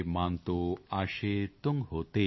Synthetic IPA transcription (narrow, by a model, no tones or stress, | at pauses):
mant̪oaʃet̪uŋɦot̪e